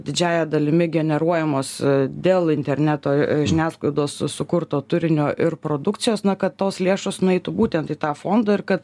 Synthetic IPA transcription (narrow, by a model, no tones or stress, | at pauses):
d̪ʲɪd͡ʒʲæːjɛd̪ɐlʲɪmʲɪɡʲɛnʲɛɾuɔjɛmoːsd̪ʲeːlˠɪnʲt̪ʲɛɾʲnʲæt̪oːʒʲɪnʲæːsklˠɐɪd̪oːssʊkʊɾt̪oːt̪ʊɾʲɪnʲoːʔɪɾpɾoːd̪ʊktt͡ssʲɪjoːsnɐkɐt̪t̪oːslʲeːʃoːsnʊɛɪt̪ʊbuːt̪ʲɛnt̪iːt̪ɑːfoːnd̪ɐɪɾkɐt̪